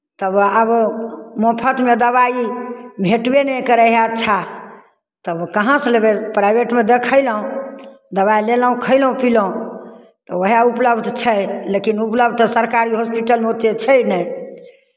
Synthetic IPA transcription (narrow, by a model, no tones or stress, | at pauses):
t̪əbəbmopʰət̪med̪əβaibʱeʈbenɛjkəɾəɦat͡ʃʰa | t̪əbkəɦãslebepɾajbeʈmed̪ekʰəjləɦũ | d̪əβaileləɦũkʰəɪlɦũpiləũ | t̪ɔoɦaupləbʱd̪t͡ʃʰəjlekinupləbd̪səɾkaɾiɦospiʈəlmot̪et͡ʃʰəjnəj